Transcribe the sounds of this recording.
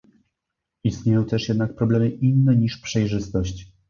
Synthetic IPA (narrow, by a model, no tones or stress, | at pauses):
ist̪ɲejɔ̃w̃t̪ɛʂjɛd̪nak̚pɾɔblɛmɘʔinːɛɲiʂpʂɛjʐɘst̪ɔɕt͡ɕ